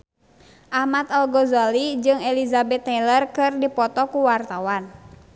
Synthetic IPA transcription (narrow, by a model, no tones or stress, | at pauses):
ʔahmat̪alɡɔzalid͡ʒɨŋɛlizabɛt̪ːɛlərkɨrdipɔt̪ɔkuwart̪awan